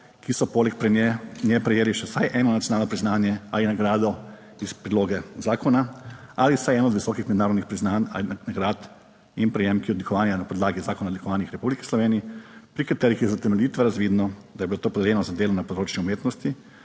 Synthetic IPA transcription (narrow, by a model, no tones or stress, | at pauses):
kʰisɔpoːlɛkpɾɛnɛnjɛpɾɛjeːliʃɛsajʔɛːnɔnat̪jɔnaːlnɔpɾiznaːnjɛa̰linaɡɾaːd̪ɔ | ispɾid̪loːɡɛzaːkɔnaalisajɛːnɔːd̪ʋisɔkixmɛd̪naːɾɔd̪nixpɾiznana̰lnaɡɾat̪ | inpɾɛjemkiɛɔd̪likɔʋaːnjanapɔd̪laːɡizaːkɔnaɔd̪likɔʋaːnixɾɛpublikɛ̥slɔʋeːniipɾikat̪ɛːɾixizat̪ɛmɛljiːt̪ʋɛɾazʋiːd̪nɔd̪ajbilot̪oːpɔd̪ɛljɛnɔzad̪eːlɔmnapɔd̪ɾoːt͡ʃniumeːt̪nɔst̪i